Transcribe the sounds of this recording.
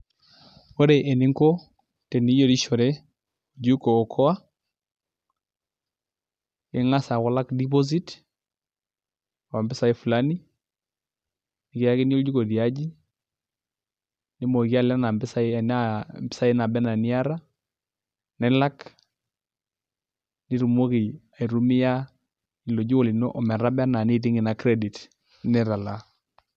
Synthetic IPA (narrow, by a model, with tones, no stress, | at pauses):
wɔ˦ɾe˨ʔɛ˨nɪ˦ŋkɔ˦ | tɛ˨ni˦jɔ˦˨ɾi˦ʃɔ˨ɾɛ˦ | u˨d͡ʒu˦koː˨kʰɔ˦a˦ | ɪ˦ŋa˦sa˨kɔ˦la˦kdi˦p̬ɔ˦z̬i˦t | wa˨mbɪ˦sa˨i˦fu˨la˦ni˦ | nɪ˨kɪ˨ja˦kɪ˦n˦d͡ʒu˦ko˨di˨a˦d͡ʒi˦ | nɪ˦mo˨ki˦a˦la˦na˨mbɪ˦sa˦nambɪ˦sa˦i˦na˨bɛ˦na˨nɪ˦a˦ɾa˦ | nɛ˦la˦k | ni˦ɾu˨mo˦ki˨a˨i˨ɾu˦mi˦ja˦ | i˨lo˨d͡ʒi˦wɔ˦li˨no˦ʔɔ˨mɛ˨ɾa˦bɛ˦na˨ni˦ti˦ŋɡɪ˨na˨kɾɛ˦di˨t | nɛ˦ɾa˨la˨